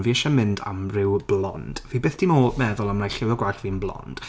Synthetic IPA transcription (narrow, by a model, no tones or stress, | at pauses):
nviːɛʃɛmɪnda̰mrɪwblˠɔ̰nd̥viːbeːθd̥imoːlmɛðʊlˠamnajɬɪwɔɡwaɬviːnblˠɔ̰nnd̥